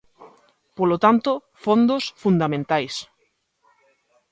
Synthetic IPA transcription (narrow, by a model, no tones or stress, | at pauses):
polot̪ant̪o | fõnd̪osfund̪amẽnt̪ajs